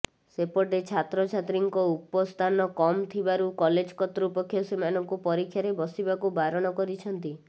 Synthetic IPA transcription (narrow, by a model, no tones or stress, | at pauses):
sepɔʈet͡ʃʰat̪ɾɔt͡ʃʰat̪ɾiŋkɔupɔst̪ʰanɔkɔmt̪ʰibaɾukɔled͡ʒkɔt̪ɾupɔkʰːjɔsemanɔŋkupɔɾikʰːjaɾebɔsibakubaɾɔɽ̃ɔkɔɾit͡ʃʰɔnt̪i